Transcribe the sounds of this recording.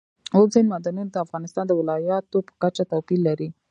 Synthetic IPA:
ozajnmad̪ɑnund̪əafɣɑnɪst̪ɑnd̪əwɪlɑjɑt̪opə̥kat͡ʃat̪apilːaɾi

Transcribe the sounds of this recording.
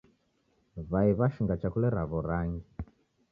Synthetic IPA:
βaiβaʃiŋɡat͡ʃakulɛɾaβɔɾaŋɡi

